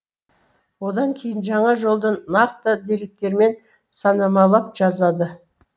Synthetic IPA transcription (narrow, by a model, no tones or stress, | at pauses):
wo̞d̪ɑŋkʲʰe̞jɪnʒɑɴɑʒo̞lˠd̪ənɑɾt̪ːəd̪e̞ɾek̚t̪e̞ɾme̞n | sɑnɑmɑlˠɑp̚ʒ̥ɑzɑd̪ə